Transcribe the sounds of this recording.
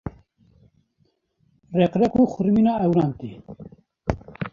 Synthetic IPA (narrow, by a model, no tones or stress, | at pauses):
rɛqɾɛkuːxʊɾmiːnaːɛwɾaːnt̪ḭ